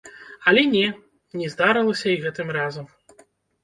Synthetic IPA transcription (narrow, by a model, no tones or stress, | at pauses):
ɐlʲɛnʲɛ | nʲɛzd̪aɾɐlˠɐsʲɐiɣɛt̪ɨmrazɐm